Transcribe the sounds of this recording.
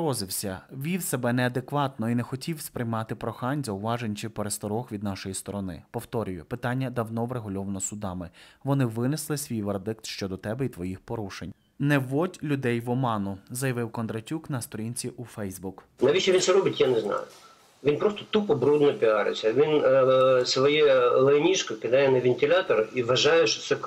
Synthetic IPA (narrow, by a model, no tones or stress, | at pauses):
ɾɔzɪwsʲɐʋʲiwsɛbɛnɛɐd̪ekʋɑt̪nɔinɛxɔtʲiwspɾɪjmɑt̪ɪpɾɔxɑnʲzɐʊʋɑʒenʲt͡ʃɪpeɾest̪ɔɾɔxʋʲid̪nɑʃɔjist̪ɔɾɔnɪ̰pɔwt̪ɔɾʲʊjʊpɪt̪ɑnʲːɐd̪ɐwnɔʋɾeɦʊlʲɔʋɐnɔsʊd̪ɑmɪʋɔnɪʋɪnɪslˠɪsʲʋʲijʋerd̪ɪk̚t̪ʃt͡ʃɔd̪ɔt̪ɛbɛit̪ʋɔjixpɔɾuʃḛnʲ | nɛʋɔdʲlʲʊd̪ɛjʋɔmɑnʊzɐjɐʋɪwkɔnd̪ɾɐtʲuknɐst̪ɔɾʲinʲt͡sʲiʔufɛjzbuk | nɐʋʲit͡ʃɛʋʲintsɛɾɔbɪtʲjanɛznɑ̰jʊ | ʋʲinpɾɔst̪ɔt̪upɔbɾud̪nɔpʲɪɑɾɪ̰sʲɐʋʲinsʋɔjɛlˠɛɔnʲiʃkɔkʲɪd̪ɑjɛnɐʋʲɪnʲtʲɪlʲat̪ɔɾiʋɐʒɑjɛʃɔ̥t̪sɛ